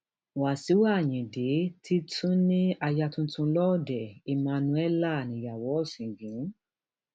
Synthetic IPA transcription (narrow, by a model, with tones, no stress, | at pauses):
wa˨si˨˦wa˦˨jĩ˨de˨˦tʰi˦tʰũ˦nĩ˦a˧ja˧tũ˦tũ˧lɔ˦˨dɛ˨i˧mã˧nũ˧˦ɛ˦la˦˨nĩ˨˦ja˨wɔ˨˦ɔ˦˨sĩ˨ɡĩ˨˦